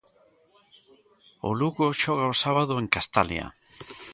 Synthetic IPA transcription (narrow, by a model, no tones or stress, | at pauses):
o̰luɣoʃɔɣ̞aosaβað̞oeŋkast̪alja̰